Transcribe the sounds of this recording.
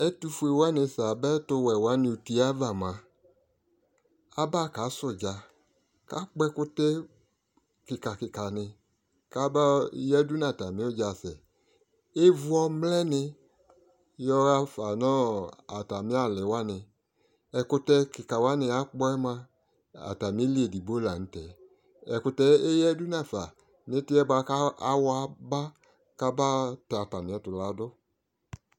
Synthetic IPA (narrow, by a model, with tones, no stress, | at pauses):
ɛ˦tu˧fu˦e˧wa˦nɪ˧sa˨bɛ˦tʊ˧wɛ˨wa˨˦nɪ˧u˧ti˧a˦va˨mã˨ | a˦ba˦ka˨˦sʊ˨d͡ʒa˨ | ka˦k͡pɛ˦kʊ˦tɛ˦ | kɪ˨ka˨kɪ˨ka˨nɪ˧ | ka˨˦ba˦jɛ˦du˦na˨ta˨mɪ̃˨˦o˦d͡ʒa˨sɛ˨ | e˦vʊ˦ɔ˧mlɛ˦nɪ˧ | jɔ˦ɣa˦fa˨nɔ˦a˨ta˨mɪ˦a˦˨lɪ˨wa˦nɪ˨ | ɛ˨kʊ˧tɛ˦kɪ˨ka˨wa˦nɪ˨a˨˦k͡pɔ˦ɛ˦ma˦ | a̰˨ta˨mɪ˦li˦e˨di˨bo˦la˨n̩˦tɛ˨ | ɛ˨kʊ˧tɛ˦e˦jɛ˦du˦na˨fa˨ | nɪ˦tɪ˦ɛ˦ba˧a˦a˦wa˦ba˦ | ka˦ba˦ta˨ta˨mɪ̃˨ɔ˨˦tʊ˨la˨˦dʊ˦